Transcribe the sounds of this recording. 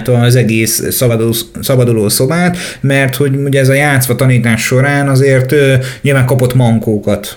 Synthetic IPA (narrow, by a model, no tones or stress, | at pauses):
t̪ɒzɛɡeːsːɒd̪osɒbɒd̪uloːso̞baːt̪mɛrt̪ho̞ɟuɟɛzɒjaːt̪sʋɒt̪ɒniːt̪aːʃːo̞ɾaːnɒzeːrt̪øɲiːlvaːŋkɒpo̞t̪mɒŋkoːkɒt̪